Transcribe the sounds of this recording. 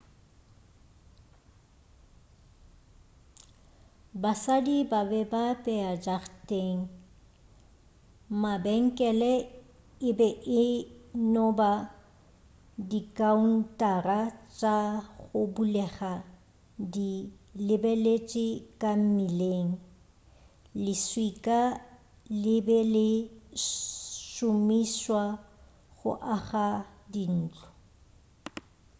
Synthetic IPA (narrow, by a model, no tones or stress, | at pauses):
basadibabɛbapʼɛad͡ʒaχtʼeŋ̩ | mabɛŋ̩kʼɛlɛ | ɪbɛʔɪnɔba | dikʼaun̩tʼarat͡ʃʼaɣʊbulɛχa | dilɪbelet͡ʃʼɪkʼam̩mileːŋ̩ | lɪswikʼa | lɪbɛlɪ | ʃʊmiswa | ɣʊ̰ʔaɣadin̩ːt͡ɬʼɔ̥